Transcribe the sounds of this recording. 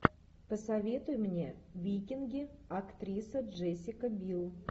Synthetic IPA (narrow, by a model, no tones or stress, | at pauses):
pəsɐvʲe̞t̪ʊjmnʲe̞vʲijkʲɪnɡʲɪakt̪rʲisəʐesʲːɪkəbʲilˠ